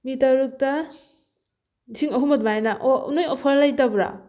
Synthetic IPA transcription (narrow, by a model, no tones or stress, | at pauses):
mitaɾuk̚ta | siŋɔɦumɐtmajnaʔɔṵnojɔpʰaɾlajtabɾa̰